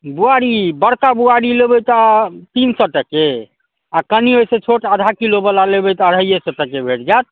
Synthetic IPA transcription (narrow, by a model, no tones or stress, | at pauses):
buaɽibəɽkabuaɽilebɛt̪at̪insɔʈəke | akəniojsẽt͡ʃʰoʈəd̪ʱakilobəlalebɛt̪əɾɦəjesɔʈəkebʱeʈd͡ʒat̪̚